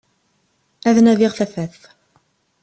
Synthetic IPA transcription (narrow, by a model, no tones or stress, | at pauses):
æðnæðɪʁθæfæθ